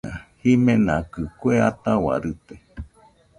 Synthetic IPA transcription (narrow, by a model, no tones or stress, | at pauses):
ã̰himẽnãkɨkweat̪awa̰ɾɨt̪e